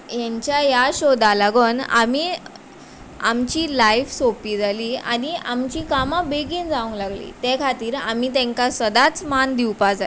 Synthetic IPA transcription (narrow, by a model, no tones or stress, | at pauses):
jaɲt͡ɕjajaɕod̪alaɡəna̰miː | amt͡ɕiːlajfsopiːd͡zʱaliːa̰niamt͡ɕiːkamabeɡiːnd͡zaũŋɡlaɡlḭːt̪ekʰat̪iːɾamit̪ɛ̃ŋkasəd̪at͡smand̪iwpad͡za